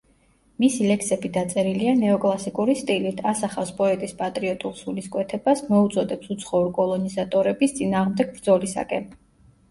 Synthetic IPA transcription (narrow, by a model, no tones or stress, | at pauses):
misilɛksɛbid̪at̪sʼɛɾilianɛɔkʼlˠasikʼuɾist̪ʼilit̪ʰasaχafspʼɔɛt̪ʼispʼat̪ʼɾiɔt̪ʼulsuliskʼwɛt̪ʰɛbasmɔut̪sʼɔd̪ɛpsut̪sʰχɔuɾkʼɔlˠɔnizat̪ʼɔɾɛbist̪sʼinaːʁmd̪ɛɡ̚bɾd̪zɔlisa̰kʼɛn